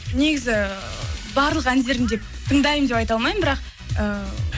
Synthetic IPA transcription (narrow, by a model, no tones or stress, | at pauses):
ne̞ɡʲɪzɪ | bɑɾlˠəqænze̞ɾɪnd̪e̞p̚ | t̪ʰəɴd̪ɑjəmd̪epɑjt̪ɑlˠmɑjəmbɪɾɑq̚ | ə